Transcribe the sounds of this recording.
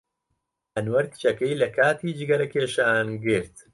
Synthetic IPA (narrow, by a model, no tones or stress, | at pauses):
ɐnwɐɾt̪t͡ʃɐkɐjlɐkʰaːt̪iːd͡ʒɪɡɐɾɐkeːʃaːnɡɨɾt̪